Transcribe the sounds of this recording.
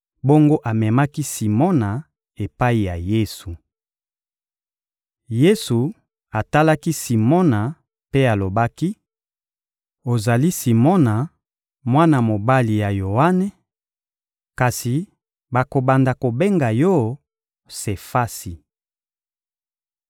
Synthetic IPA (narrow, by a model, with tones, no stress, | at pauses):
bo˦ŋɡo˦ʔa˨mɛ˨ma˦ki˦si˨mɔ˦na˨ | e˨pa˦i˨ja˨je˦su˨ | je˦su˨ | a˨ta˦la˦ki˦si˨mɔ˦na˨ | pe˦a˨lo˨ba˦ki˦ | o˨za˨li˦si˨mɔ˦na˨ | mwa˦na˨mo˨ba˦li˨ja˨jo˨a˦nɛ˨ | ka˨si˨ | ba˨ko˨ba˨nda˨ko˨be˦ŋɡa˨jɔ˦ | se˨fa˦si˨